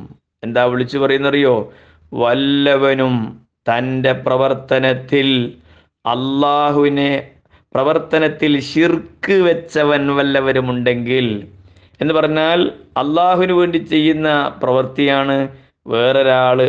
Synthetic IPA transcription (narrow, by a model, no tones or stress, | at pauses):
m | e̞nd̪aːʋiɭit͡ɕːupɐrɐjunːɐrijo̞ː | ʋɐlːɐʋɐnum | t̪ɐnde̞prɐʋɐrt̪ɐnɐt̪ːil | ɐ̰lːaːɦuʋine | prɐʋɐrt̪ɐnɐt̪ːilɕirkɨʋe̞t͡ɕːɐʋɐnʋɐlːɐʋɐnumuɳɖe̞ŋɡil | e̞nːɨpɐrɐɲːaːlɐlːaːɦuʋinuʋe̞ːɳɖit͡ɕe̞jːunːɐprɐʋɐrt̪ijaːɳɨ | ʋe̞ːro̞ɾaːɭɨ